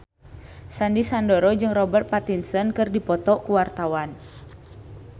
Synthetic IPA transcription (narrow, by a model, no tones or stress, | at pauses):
sandisandɔɾɔd͡ʒɨŋrɔbərt̪̚pat̪insənkɨrdipɔt̪ɔkuwart̪awan